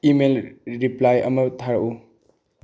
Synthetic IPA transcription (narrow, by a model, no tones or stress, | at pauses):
imelɾiplajɐ̰mɐtʰaɾʔu